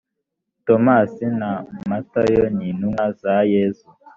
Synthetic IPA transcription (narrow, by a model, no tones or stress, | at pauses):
tomasinamatajoɲinuŋazajezu